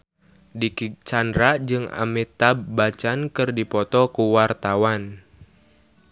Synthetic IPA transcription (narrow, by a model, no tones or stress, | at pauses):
dikit͡ʃandɾad͡ʒɨŋa̰mit̪abːat͡ʃankɨrdipɔt̪ɔkuwart̪awan